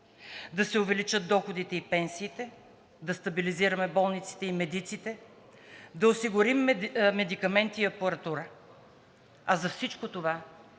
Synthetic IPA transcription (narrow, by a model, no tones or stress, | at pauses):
d̪ɐsɛʊvɛlit͡ʃət̪̚d̪ɔxod̪it̪ɛipɛnsiːt̪ɛ | d̪ɐst̪ɐbiliziɾɐmɛbɔlˠnit̪si̥t̪ɛimɛd̪it̪sit̪ɛ | d̪ɐosiɡʊɾimmɛd̪ikɐmɛnt̪iːɐpɐɾɐt̪uɾə | ɐzɐfsit͡ʃkot̪ova